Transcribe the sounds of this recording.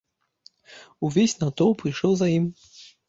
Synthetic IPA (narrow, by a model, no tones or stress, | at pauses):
uvʲesʲnat̪ɔwpɾɨjʂɔwzajim